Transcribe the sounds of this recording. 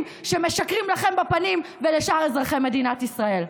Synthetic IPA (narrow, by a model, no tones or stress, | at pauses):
m | ʃe̞meʃakʁimlaχe̞mbapanimveleʃaʁezʁaχeme̞d̪inat̪isʁae̞l